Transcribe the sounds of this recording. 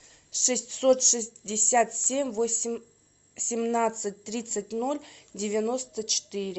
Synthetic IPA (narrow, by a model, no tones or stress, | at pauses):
ʂɨsʲtʲsot̪ʂɨsʲdʲɪsʲat̪sʲemʲvosʲɪm | sʲɪmnat̪sɨt̚ʲt̪ɾʲit̪sɨtʲno̞lʲdʲɪvʲɪno̞st̪ət͡ɕʰɪ̥t̪ɨɾʲɪ